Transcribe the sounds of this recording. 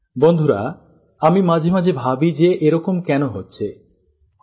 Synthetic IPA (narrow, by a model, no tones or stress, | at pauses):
bond̪ʱuɾa̰ | amimad͡ʑʱemad͡ʒʱebʱabid͡ʒeʔeɾɔkomkɛnoɦotːɕʰe